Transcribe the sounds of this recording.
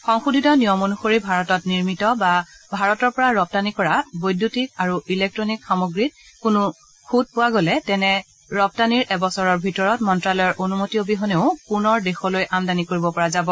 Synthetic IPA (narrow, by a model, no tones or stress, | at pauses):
xɔŋxudʱitɔnijɔmonuxoɹibʱaɹɔtɔtniɹmitɔbabʱaɹɔtɔɹpɔɹaɹɔp̚tanikɔɹabojdʱutik̚aɹuilek̚tɹɔnikxamoɡɹit̚kunʊ | kʰud̚pʊwaɡolɛtɛnɛ | ɹɔp̚taniɹʔɛbɔsɔɹɔɹbʱitɔɹɔtmɔntɹalɔjɔɹʔonumotiobiɦɔneʊpunɔɹdexɔlojʔamdanikoɹibɔpɔɹazabɔ